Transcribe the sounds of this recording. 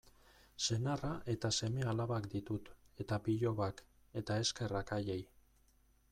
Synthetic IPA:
se̞naraʔe̞t̪ase̞me̞alaβakd̪it̪ut̪e̞t̪apiʎo̞βak | e̞t̪ae̞ske̞rakaʎej

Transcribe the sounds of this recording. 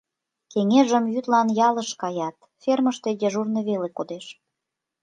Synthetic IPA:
keŋeʒəmjyt̪lɑnjɑləʃkɑjɑt̪ | ferməʃt̪ed̪ʲeʒurnə̆βelekod̪eʃ

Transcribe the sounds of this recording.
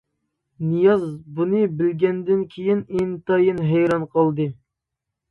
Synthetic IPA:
nɨjɑzbunɨbɪlɡʲɛnd̪ɪnkʲʰejinent̪ɑjɨnɦɛjɾɑnqʰəlˠd̪ɨ

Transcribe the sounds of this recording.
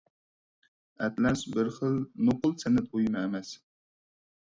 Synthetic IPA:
ɛt̪lɛsbɪɾχəlˠnoqʊlˠsɪnɪt̪̚ojmɨːmɛs

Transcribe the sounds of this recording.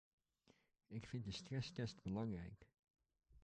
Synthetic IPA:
ɪkfɪntdəstrɛstɛstbəlɑŋrɛ̰jk

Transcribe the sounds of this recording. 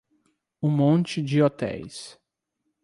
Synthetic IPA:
ũmõnt͡ʃɪd͡ʒɪot̪ɛ̰js

